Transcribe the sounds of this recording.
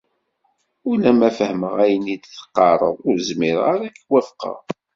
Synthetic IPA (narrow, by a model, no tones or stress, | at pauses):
ʊlæmæfəhməʁæjənid̪θə̥qːɑɾˤə̰ðˤʊɾzmiɾʁaɾækːwæfqɑ̰